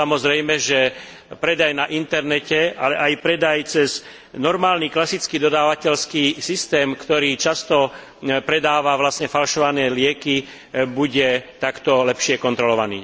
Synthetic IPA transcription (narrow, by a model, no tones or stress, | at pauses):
samɔzɾɛjmɛʒɛ | pɾɛd̪ajnaʔint̪ɛɾnɛcɛʔa̰lɛʔajpɾɛd̪ajt͡sɛz | nɔɾmaːlniːklasit͡skiːd̪ɔd̪aːʋacɛlskiːsist̪ɛːmkt̪ɔɾiːt͡ʃast̪ɔ | pɾɛd̪aːʋaʋlasɲɛfalʃɔʋanɛːlɪɛki | buɟɛt̪akt̪ɔlɛpʃɪɛkɔnt̪ɾɔlɔʋanḭː